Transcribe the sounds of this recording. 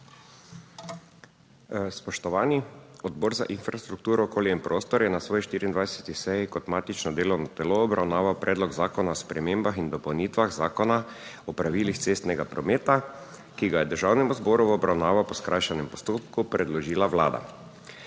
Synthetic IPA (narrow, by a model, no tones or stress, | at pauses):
spɔʃt̪ɔʋaːniɔd̪bɔːɾza̰ʔinfɾast̪ɾuk̚t̪uːɾɔːkoːljɛimpɾʔoːst̪ɔɾjɛnasʋoːjiʃt̪iːɾind̪ʋajsɛt̪isɛjikɔt̪maːt̪it͡ʃnɔd̪eːlɔwnɔt̪ɛloːbɾʔawnaːʋawpɾʔɛːd̪lɔɡzaːkɔnaɔspɾɛmeːmbaxind̪ɔpɔwniːt̪ʋaɣzaːkɔna | ɔpɾaʋiːlixt̪seːst̪nɛɡapɾɔmeːt̪a | kiɡajɛd̪əɾʒawnɛmuzbɔːɾuʋɔbɾawnaːʋawpɔskɾajʃanɛmpɔ̥st̪oːpkupɾɛd̪lɔʒiːlaʋla̰ːd̪a̰